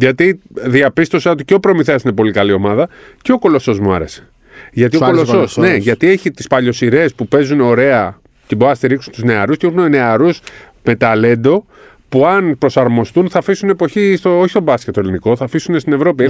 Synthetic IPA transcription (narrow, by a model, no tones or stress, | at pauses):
ʝɐt̪iðiɐpist̪o̞sɐot̪iceo̞pɾo̞miθeɐsinepo̞likɐlio̞mɐðɐceo̞ko̞lo̞so̞zmuɐ̰ɾe̞̰se̥ | ʝɐt̪iokolososne̞ʝɐt̪ie̞çit̪ispɐʎo̞siɾe̞spupe̞zuno̞ɾe̞ɐ | ceboɾnɐst̪iɾiksunt̪uzne̞ɐɾust̪eixunene̞ɐɾus | me̞t̪ɐle̞nd̪o̞ | puɐnpɾo̞sɐɾmo̞st̪unθɐfisune̞po̞çist̪ooçist̪o̞bɐscet̪ːoeliniko̞θɐfisunest̪ine̞vɾo̞pie